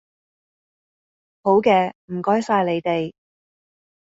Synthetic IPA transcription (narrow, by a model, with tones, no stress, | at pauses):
ho˨˥wkɛː˧m̩˨˩kɔː˥jsaː˧jle˨˧jt̪e˨j